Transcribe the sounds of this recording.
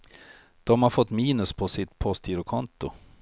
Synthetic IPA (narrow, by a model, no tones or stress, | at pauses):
d̪̥ɔmhaɾfɔt̪ːmiːnɵspʰɔsɪt̪pʰɔst̪ʰiːɾʊkʰɔnt̪ʊ